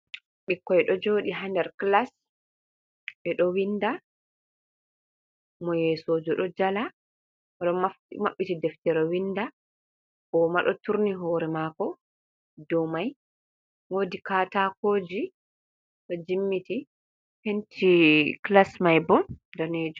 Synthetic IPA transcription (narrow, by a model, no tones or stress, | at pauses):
ɓikːɔjɛɗɔd͡ʒoːɗiɦandɛɾklas | ɓɛɗɔwinda | mɔjɛsod͡ʒɔɗɔd͡ʒala | ɔɗɔma | maɓːitidɛftɛɾɔwindḁ | ɔmaɗɔtuɾniɦɔːɾɛmaːkɔ | dɔmaj | woːdikatakoːd͡ʒi | ɗɔd͡ʒimːiti | pentʰiklasmajbɔndaneːd͡ʒ